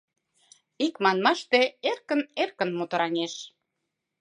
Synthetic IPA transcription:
ikmɑnmɑʃt̪eerkə̆nerkə̆nmot̪ə̆ɾɑnʲeʃ

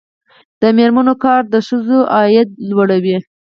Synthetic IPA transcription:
d̪̥əmeɾmanokɑɾd̪əʃəzoʔɑjɪt̪̚lwaɽawi

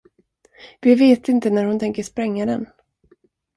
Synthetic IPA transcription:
vɪveːt̪ɪnt̪ənæɾhʊnt̪ʰɛŋkəʂpɾɛŋːad̪ɛn

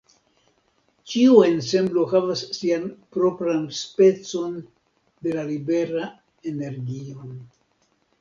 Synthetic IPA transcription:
t͡ʃiue̞nse̞mblo̞havasːianpɾo̞pɾanspe̞t͡so̞n | de̞lalibe̞ɾa | e̞ne̞ɾɡio̞

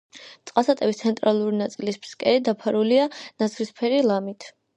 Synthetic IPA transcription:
t̪sʼqʼasat̪ʼɛbist̪sʰɛnt̪ʼɾalˠuɾinat̪sʼilisb̥skʼɛɾid̪apʰaɾulianat̪sʰɾispʰɛɾilˠamit̪ʰ

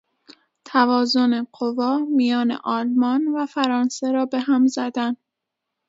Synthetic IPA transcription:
t̪ʰævɒːzo̞ne̞qovɒːmijɒːne̞̰ʔɒːlmɒnvæfæɾɒːnse̞ɾɒːbe̞ɦæmzæd̪æn

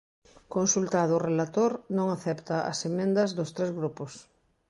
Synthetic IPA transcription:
konsult̪aðʊrelat̪oɾnõŋaθɛpt̪ɐʔɐ̰semẽnd̪ɐzðost̪ɾɛzɣɾupos

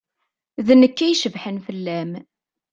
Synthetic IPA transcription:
ðnəkːæjʃəvħənfəlːæm

